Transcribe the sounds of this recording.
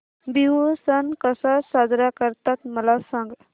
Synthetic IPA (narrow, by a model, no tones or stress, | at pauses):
biɦusənkəsasad͡ʒɾakəɾt̪ət̪̚məlasəŋɡ